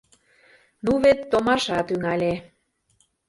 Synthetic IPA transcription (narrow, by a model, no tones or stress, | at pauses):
nuβet̪ːomɑʃɑt̪yŋælʲe